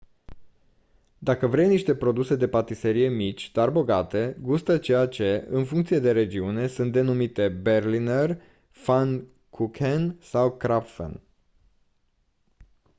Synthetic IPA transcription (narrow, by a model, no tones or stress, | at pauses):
d̪akəvɾejniʃt̪e̞pɾo̞d̪use̞d̪e̞pat̪ise̞ɾije̞mit͡ʃʲd̪̥arboɡat̪e̞ɡust̪ət͡ʃe̞jat͡ʃe̞ɨ̰nfuŋkt̪sije̞d̪e̞ɾe̞d͡ʒiune̞sunt̪d̪e̞numit̪e̞be̞rliner | fan | kʰukʰensawkɾapfə̰n